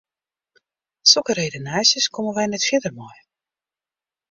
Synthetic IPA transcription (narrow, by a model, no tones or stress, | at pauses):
sokərejdənaːsjəskɔməʋɛjnɛtfjɪdərmɔj